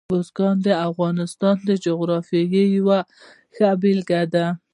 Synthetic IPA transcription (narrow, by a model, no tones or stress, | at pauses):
bosɡɑnd̪əafɣɑnɪst̪ɑnd̪əd͡ʒoɣɾɑfjɑjəjawa | xabɪlɡad̪a